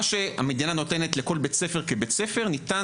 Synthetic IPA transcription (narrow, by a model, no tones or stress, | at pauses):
ʃea̰med̪inano̞t̪e̞netleko̞lbet͡se̞fe̞ʁkebet͡se̞feʁnit̪a